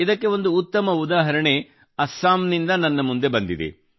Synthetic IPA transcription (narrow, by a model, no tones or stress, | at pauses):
id̪ɐkːe̞ʋond̪uːt̪ːɐmɐud̪aːɦɐɾɐɳe | ɐsːaːmnind̪ɐnɐnːɐmund̪e̞bɐnd̪id̪ḛ